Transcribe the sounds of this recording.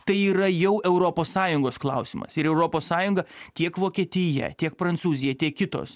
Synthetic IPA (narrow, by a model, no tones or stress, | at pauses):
t̪ɐɪiːɾɐjɛʊɛʊɾoːpoːssɑːjʊŋɡoːsklˠɐʊsʲɪmɐ̰sɪɾɛʊɾoːpoːssɑːjʊŋɡɐt̪ʲiɛkʋoːkʲiɛt̪ʲɪjɛ̰t̪ʲiɛk̚pɾɐnt̪suːzʲɪjɛt̪ʲiɛkkʲɪt̪o̰ːs